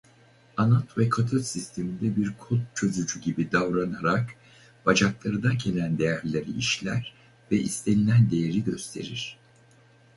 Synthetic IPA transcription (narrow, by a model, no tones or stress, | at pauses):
anat̪vɛkʰat̪ʰɯlsist̪ʰe̞mind̪ɛbiɾkʰot̪̚t͡ʃʰø̞zyd͡ʒyɟibid̪avɾanaɾak | b̥ad͡ʒaklˠaɾɯd̪ancʰe̞lʲænd̪e̞jæɾlʲe̞ɾiiʃlʲæ̰ɾ̥ | vɛʔḭst̪ʰe̞nʲinʲænd̪e̞jeɾiɟø̞st̪ʰe̞̰ɾiɾ̥